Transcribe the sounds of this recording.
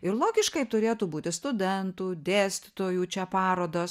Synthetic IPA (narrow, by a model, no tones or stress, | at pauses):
ɪɾlˠoːɡʲɪʃkɐɪt̪ʊɾʲeːt̪uːbuːt̪ʲɪst̪ʊd̪ʲɛnt̪uːd̪ʲeːsʲt̪ʲɪt̪oːjuːt͡ʃʲɛpɑːɾoːd̪oːs